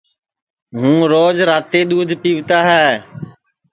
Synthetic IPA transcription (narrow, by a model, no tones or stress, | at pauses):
ɦũːɾoːd͡ʒɾaːt̪eːɗ̪uːd̪ʱpiːʋt̪aːɦɛː